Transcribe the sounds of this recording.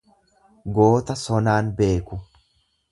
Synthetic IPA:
ɡo̞ːt̪ɐsɔnaːnbe̞ːkʊ

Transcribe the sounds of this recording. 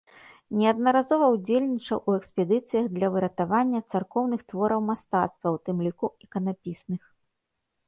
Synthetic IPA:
nʲɛɐd̪̚nɐɾazɔvɐwd͡zʲelʲnʲit͡ʂɐwʔuɛkspʲɛd̪ɨt̪sɨjɐɣd̪lʲɐvɨɾɐt̪avanʲːɐt̪sarkɔwnɨxt̪vɔɾɐwmast̪at̪st̪vɐwt̪ɨmlʲikuɛkɐnapʲisnɨx

